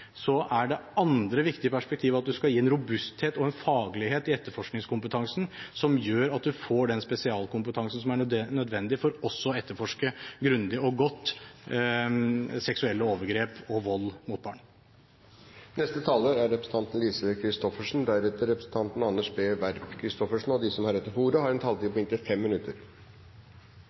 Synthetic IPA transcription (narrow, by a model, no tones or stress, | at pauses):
sɔʔæɖɛɑnd̪ɾəʋɪkt̪ɪəpʰæʂpɛk̚t̪ʰiːʋɑt̪̚d̪ʉskɑjiːɛnɾʊbʉst̪heːt̪ɔɛnfɑːɡlɪɦeːt̪ɪɛt̪ːəɾfɔʂknɪŋskʊmpət̪ʰɑŋsn̩sɔmjøːɾɑt̪̚d̪ʉfoːɖɛnspɛsɪɑːlkʊmpət̪ʰɑŋsn̩sɔmæɳœd̪nœd̪ʋɛnd̪ɪfɔɾɔsːɔɛt̪ːəɾfɔʂkəɡɾʉnd̪ɪɔɡɔt̪ː | sɛksʉɛlːəoːʋəɾɡɾeːpɔʋɔlːmʊt̪̚bɑ̰ːɳ | nɛst̪ət̪ʰɑːləɾæɾːɛpɾəsn̩t̪ɑnt̪n̩liːsəkʰɾɪst̪ɔfəʂɳ̩d̪æɾɛt̪əɾɛpɾə̥sn̩t̪ʰɑnt̪n̩ɑnːəʂbeːʋæɾpkʰɾɪst̪ɔfəʂɳ̩n̩ɔd̪isɔmhɑɾɛt̪ːəɾfuːɾəhɑɾɛnt̪ʰɑlt̪iːpʰɔɪŋt̪ɪfɛmːɪnʉt̪ːəɾ